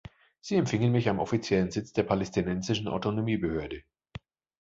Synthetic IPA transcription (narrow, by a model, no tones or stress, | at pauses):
z̥iːɛmfɪŋənmɪçamʔɔfit͡sjɛlənzɪt͡sd̥eːɐpʰalɛstʰinɛnzɪʃn̩ʔa̰ʊtonomiːbəhøːɐdə